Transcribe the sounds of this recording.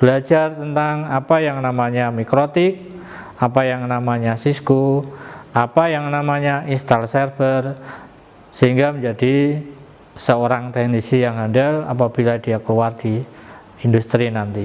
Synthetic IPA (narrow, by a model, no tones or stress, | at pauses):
b̥əlad͡ʒart̪ənt̪aŋapajaŋnamaɲamikɾot̪ɪk̚ | apajaŋnamaɲasisku | apajaŋnamaɲaʔinst̪alsɛrfər | səɦiŋɡaməɲd͡ʒadi | səoɾaŋt̪ɛhnisijaŋɦandala̰p̬ab̥iladiakəluard̥i | indust̪ɾinant̪i